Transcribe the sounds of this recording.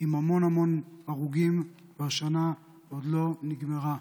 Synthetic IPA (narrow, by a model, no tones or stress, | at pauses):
imamo̞namo̞naʁuɡim | vaʃana | od̪lo̞niɡmeʁa